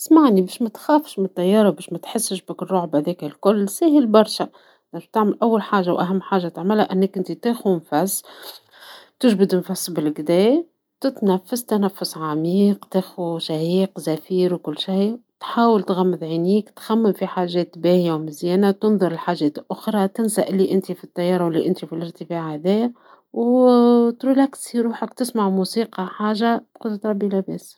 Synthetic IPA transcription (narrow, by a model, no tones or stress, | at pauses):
t̪ɪ̥smaʕnibɛːʃmat̪xaːfʃmɪnt̪ːɑjːɑːɾˤɑwbɛːʃmæt̪ħɪsːɪʃbɪkrˤːoːʕbhæd̪ɛːkɪlkʊlːsæːhɪlbɑɾˤʃa | næɾb̚t̪ɪʕmɪlʔawːalħaːʒːawʔæɦamːħaːʒat̪ɪʕmɪlhaʔɪnːækʔɪnt̪it̪eːxunfasː | t̪ɪʒbɪd̪ɪnfasːbɪlɡd̪ɛː | t̪ɪt̪næfːast̪anafːʊsʕamiːqt̪æxuʃæhiːqzæfiːɾwkʊlːʃajt̪ħaːwɪlt̪ɣæmːɪd̪ʕiniːkt̪xæmːɪmfiħaːʒɛːt̪bæːhijawmɪzjɛːnat̪ʊnðˤʊɾˤɪlħaːʒɛːt̪lʔʊxɾˤɑt̪ɪnsaʔɪlːiʔɪnt̪ifit̪ːɑjːɑːɾˤɑwɪlːiʔɪnt̪ifilɪɾt̪əfaːʕæðɛː | w | t̪ɾuːlæksiɾuːħakt̪ɪsmaʕmusiːqɑħaːʒabqʊd̪t̪ɾˤɑbːilæbɛːs